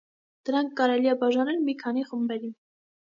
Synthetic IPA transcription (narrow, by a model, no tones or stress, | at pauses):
d̪̥əɾɑŋkʰːɑɾɛlijɛbɑʒɑnɛlmikʰɑniχəmbɛɾin